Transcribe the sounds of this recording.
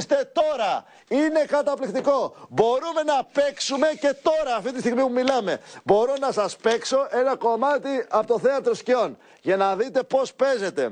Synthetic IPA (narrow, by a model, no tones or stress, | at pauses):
st̪e̞t̪o̞ɾɐ | ine̞kɐt̪ɐplikt̪iko̞bo̞ɾume̞nɐpe̞ksume̞ce̞t̪o̞ɾɐːft̪it̪ist̪iɣmipumilɐme̞bo̞ɾo̞nɐsɐspe̞kso̞ʔe̞nɐko̞mɐt̪iɐpot̪oθeɐt̪ɾoscio̞n | ʝɐnɐðit̪e̞po̞spe̞ze̞t̪e̞̰